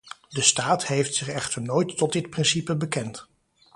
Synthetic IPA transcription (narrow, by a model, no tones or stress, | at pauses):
dəstaːtɦejftsɪχɛχtəɹnojtːɔt̚dɪt̚prɪnsipəbəkɛnt